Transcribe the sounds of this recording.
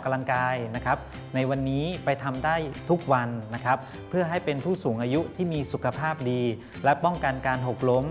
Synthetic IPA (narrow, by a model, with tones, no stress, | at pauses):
ka˧la˧ŋkaː˧jna˦˥kʰɾa˦˥p̚ | na˧jwa˧nːiː˦˥pa˧jt̪ʰa˧mdaː˥˩jt̪ʰu˦˥k̚wa˧nːa˦˥kʰɾa˦˥p̚ʰːɯ˥˩ɐɦa˥˩jpe˧npʰuː˥˩suː˩˦ŋʔaː˧ju˦˥t̪ʰiː˥˩miː˧su˨˩kʰa˧pʰaː˥˩p̚diː˧ | lɛ˦˥pɔ˥˩ŋka˧nkaː˧nɦo˨˩k̚lo˦˥m